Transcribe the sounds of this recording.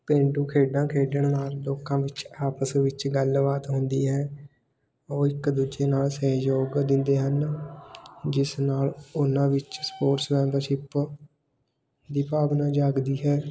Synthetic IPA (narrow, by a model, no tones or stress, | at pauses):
pẽːɳɖũːkʰeːɖãːkʰeːɖəɳnaːld̪oːkãːʋɪt͡ʃaːpəsʋɪt͡ʃɡəlʋaːt̪ɦʊnd̪iːɦɛː | oːɪkd̪uːd͡ʒeːnaːlsəjoːɡd̪ɪnd̪eːɦən | d͡ʒɪsnaːlʊnãːʋɪt͡ʃspoːɾsmɛ̃ːbəɾʃɪp | d̪iːpaːʋnãːd͡ʒaːɡd̪iːɦɛː